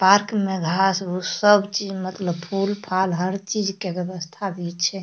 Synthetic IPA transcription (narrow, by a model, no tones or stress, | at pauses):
paɾkmeɡʱasosəbt͡ʃid͡ʒmət̪ləbpʰulpʰalɦəɾt͡ʃid͡ʒkebjəbəst̪ʰad̪it͡ʃʰɛ